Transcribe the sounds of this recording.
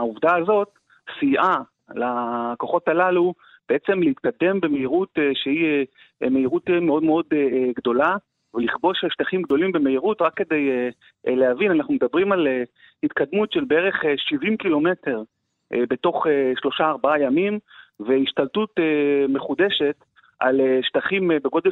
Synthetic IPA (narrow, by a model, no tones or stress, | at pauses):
auvd̪aːzo̞t̪ | siʔa | lako̞χo̞t̪alalu | b̥eet͡se̞mleit̪kad̪e̞mbe̞meiʁut̪eʃehi | me̞iʁut̪emeo̞d̪meo̞d̪eɡd̪o̞la | veliχbo̞ʃeʃtaχimɡ̚d̪o̞limbemeiʁutʁakːe̞d̪e̞je | leavinanaχnumed̪abʁimale | hit̪kad̪mutʃelbeeʁeχeʃivimkilo̞me̞te̞ʁ | be̞to̞χeʃlo̞ʃaːʁbaajamimveiʃtaltut̪eme̞χud̪eʃe̞t̪ | ʔaleʃt̪aχimebeɡo̞d̪e